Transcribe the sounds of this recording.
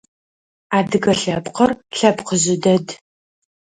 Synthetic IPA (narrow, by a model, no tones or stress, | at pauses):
aːdɨɣɐɬɐpqɐrɬɐpqəʑɪdɐd